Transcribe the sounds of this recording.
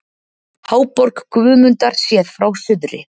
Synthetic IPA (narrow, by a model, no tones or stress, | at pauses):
haːwpɔɾkkvʏːmʏnt̪aɾ̥sjɛːðfɾawsʏðɾɪ